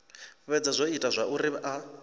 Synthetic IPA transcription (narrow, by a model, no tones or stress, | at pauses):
βɛd͡zazʷoitʼazʷaʔuriβʔa